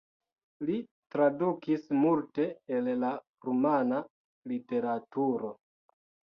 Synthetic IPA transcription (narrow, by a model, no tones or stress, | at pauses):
litɾadukismulte̞ːlla | ɾumana | lite̞ɾatuɾo̞